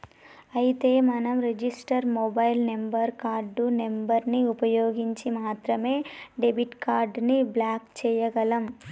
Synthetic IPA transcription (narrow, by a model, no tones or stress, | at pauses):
ɐjit̪e̞ːmɐnɐmɾed͡ʒisʈɐɾmobɐjlnembɐɾkaːɾɖunembɐɾniupɐjoːɡiɲt͡ʃimaːt̪ɾɐme̞ːɖebʱiʈkaːɾɖniblaːkt͡ʃɛːjɐɡɐlɐm